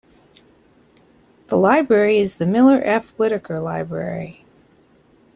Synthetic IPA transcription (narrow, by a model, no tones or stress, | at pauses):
ðəlaɪbɹɛɹiɨzðɨmɪlˠə˞ʔɛfwɪɾɨkə˞laɪbɹɛ̰ɹi